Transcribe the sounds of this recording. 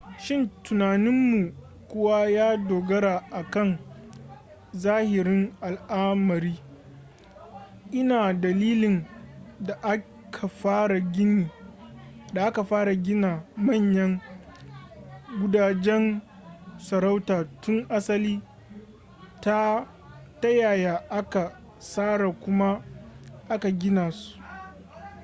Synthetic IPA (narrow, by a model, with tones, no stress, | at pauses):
ʃɪ˦˨ntʊ˨naː˨nɪ˦mːu˨ | kʷʊ˦wa˦jaː˦doː˨ɡɐ˦ɾaː˨ʔa˨kɐ˦˨ŋ | zaː˦hɪ˨ɾɪ˦ŋʔa˨lʔaː˦mɐ˨ɾiː˦ | ʔɪ˦naː˨dɐ˨liː˦lɪ˨nda˨ʔa˦ | kʰa˨ɸaː˦ɽa˨ɡʲɪ˦niː˨ | da˨ʔa˦ka˨ɸaː˦ɾa˨ɡʲɪ˦naː˨mɐ˦˨ɲjɐ˦ŋ | ɡʷʊ˦daː˨d͡ʒɛ˦n | sɐ˨ɾa˦wtaː˨tʊ˦ŋʔa˦sɐ˦liː˦ | ta˦ | ta˦jaː˨jaː˨ʔa˦ka˨ | saː˦ɽa˨kʷʊ˦ma˦ʔa˦ka˨ɡʲɪ˦naː˨su̥˦ʔ